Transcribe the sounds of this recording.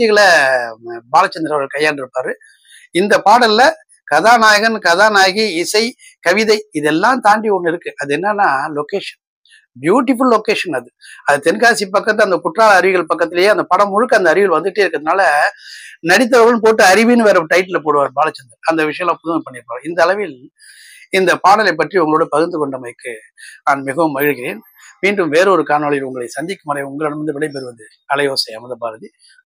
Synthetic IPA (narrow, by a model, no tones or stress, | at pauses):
ɪɣɐɭɐ | baːlɐt͡ʃːɐnd̪ɪɾɐʋɐɣɐɭkɐjːaːnɪɾɯpːaːɾɯ | ɪnd̪ɐpaːɽɐlːɐ | kɐðaːnaːɣɐnkɐðaːnaːɣiɪsɐɪ | kɐʋɪðɐɪɪðɛlːãːt̪aːɳɖiɔɳːɪɾɯkːɯʔɐðɛnːɐnːaːloːkeːʂɐn | bjuːʈːɪfʊlːoːkeːʂɐnɐðɯɐðɐt̪ɛnkaːsip̬ːɐkːɐt̪̬ːɐnd̪ɐkʊʈraːɭɐɾɪʋɪɣɐɭpɐkːɐt̪ːɪlɐjeːɐnd̪ɐpɐɽɐmːʊɻɯkːɐnd̪ɐɾɪʋɪɭʋɐnd̪ɯʈːɯɪɾɯkːɐðɯnaːlɐ | nɐɽɪt̪̬ːɐʋɐʋɐnpoːʈ̬ːɯɐɾɪʋinɯʋeːɾɐmʈɐɪʈːɪlɐpoːɽɯʋaːɾbaːlɐt͡ʃːɐnd̪ɯɐnd̪ɐʋɪʂɐjɐ̃lãːpʊðɯmɐpːɐɳːɪɾɯpːaːɪnd̪ɐɐlɐʋɪl | ɪnd̪ɐpaːɽɐlɐɪp̬ːɐʈriʊŋɡɐɭoːɽɐpɐɣɯnd̪ɯkɔɳɖɐmɐɪkːɯ | aːnmɪɣɐʋɯmːɐɣɪɻkɪɾeːn | miːɳɖɯmʋeːɾɐɔɾɯkaːnɐːɭlɐɪʊŋɡɐɭɐɪsɐnd͡ʒɪkːɯmɐɾɐjʊŋɡɐɭɐnɯmɐnd̪ɯʋɛɭɐɪpɛɾɯʋɐðɯ | ɐlɐjoːsɛjɐmɐðɐpaːɾɐði